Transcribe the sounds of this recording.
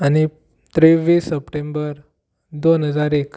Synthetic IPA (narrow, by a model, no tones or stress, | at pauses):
añi | t̪ɾiʋiːsːəpʈẽmbəɾ | d̪onɦəd͡zaɾek